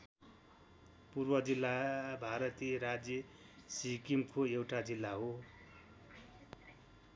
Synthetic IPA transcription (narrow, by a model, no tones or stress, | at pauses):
purbʌd͡zilːabʱaɾʌt̪ieɾad͡zjʌ | sikimkʰoewʈad͡zilːaɦo